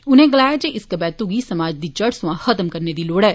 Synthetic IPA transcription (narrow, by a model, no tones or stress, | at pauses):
ʊnẽːɡəlaːjad͡ʒeʔɪskəbɛːt̪uɡiːsɐmaːd͡ʒd̪iːd͡ʒɐɽsʊ̃ãxət̪əmkɐɾned̪iːloːɽɛː